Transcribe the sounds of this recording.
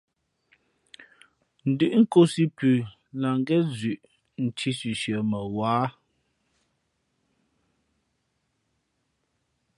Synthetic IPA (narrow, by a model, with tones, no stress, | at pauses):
n̩˨dʉ˨ʔŋ̩˦ko˦si˦pʉ˨ | la˨ŋ˦ɡɛ˦zʉ˨ʔ | n̩˨tʰi˦sʉ˨ʃə˨mə˨waː˦